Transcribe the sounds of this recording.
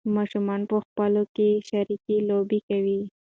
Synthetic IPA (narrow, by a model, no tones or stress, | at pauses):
mɑʃumɑnpəxpəlokeʃaɾikilobikawi